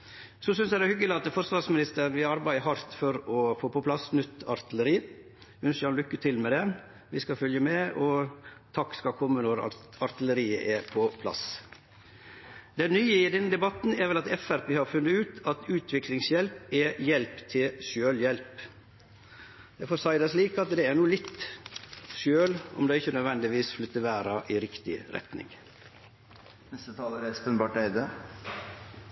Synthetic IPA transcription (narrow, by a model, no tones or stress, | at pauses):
sɔsʏnsjæɪd̪ɛhʏɡːəlɪɑt̪ːfɔɾsʋɑɾsmɪnɪst̪əʋɪɑɾbæɪəɦɑɾt̪fɔɾɔfoːpɔpʰlɑsnʏt̪ːɑɾt̪ɪləɾiː | ʉnsəɑnlʏkːət̪ʰɪlmɛd̪ɛ | ʋɪskɑfœljəmɛʔɔt̪ʰɑkːskɑkʰɔmːənɔɾɑ̰ɑɾt̪ɪləɾiːə̰ʔɛpʰɔpʰlɑ̰s | d̪ɛnnyːəɪd̪ɛnːəd̪ɛbɑt̪n̩æɾʋɛlɑt̪ɛfæɾpeːhɑɾfʉnːəʉːt̪ʰɑt̪ʉːt̪ʰʋɪklɪŋsjɛlpɛjɛlpt̪ʰɪlʃøːljɛlp | d̪ɛfoːɾsɑɪd̪ɑsliːkɑt̪d̪ɛæɾnuːlɪt̪ | ʃøːlɔ̰md̪ɛːɪçːənœd̪ʋɛnd̪ɪʋiːsflʏt̪ːəʋæːɾɑʔɪɾɪkt̪ɪ̰ɾɛ̰t̪nɪ̰ŋ | nɛst̪ət̪ʰɑːləɾæspənbɑːʈæɪd̪ə